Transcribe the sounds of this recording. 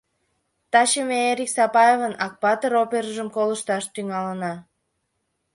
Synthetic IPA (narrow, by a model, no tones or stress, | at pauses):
t̪ɑɕemeeɾʲiksɑpɑevənɑk̚pɑt̪əɾopeɾəʒəmkoləʃt̪ɑʃt̪yŋɑlənɑ